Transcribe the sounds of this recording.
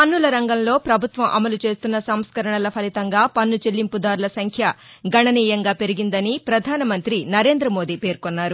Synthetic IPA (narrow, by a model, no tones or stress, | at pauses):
pɐnːulɐɾɐŋɡɐmlo̞ːpɾɐbʱut̪ʋɐmʔɐmɐlut͡ʃe̞ːst̪unːɐsɐmskɐɾɐɳɐlɐpʰɐlit̪ɐŋɡaːpɐnːut͡ʃelːimpud̪aːɾulɐsɐŋkʰjɐ | ɡɐɳɐniːjɐŋɡaːpe̞ɾiɡind̪ɐnipɾɐd̪ʱaːnɐmɐnt̪ɾinɐɾe̞ːnd̪ɾɐmo̞ːd̪iːpe̞ːɾkonːaːɾu